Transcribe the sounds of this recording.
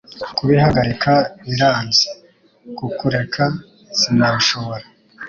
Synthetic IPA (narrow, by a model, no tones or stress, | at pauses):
kuβihaɡaɾikʰaβiɾaːnzi̥ | kukuɾe̞kʰa | sinaʃo̞βo̞ɾa